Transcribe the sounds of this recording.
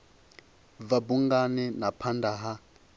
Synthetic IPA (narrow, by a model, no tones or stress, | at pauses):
vabuŋɡanɛnapʰandaɦa